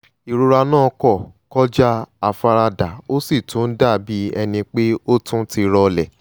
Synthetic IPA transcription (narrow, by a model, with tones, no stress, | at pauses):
i˨ɾu˧ɾa˧nãː˦˨˧kɔ˦˨kɔ˦d͡ʒa˦a˧fa˧ɾa˧da˨o˦si˦˨tũ˨˦n̩˦da˦˨bi˨˦ɛ˧nĩ˧k͡pe˦o˦tũ˦ti˧ɾɔ˧lɛ˨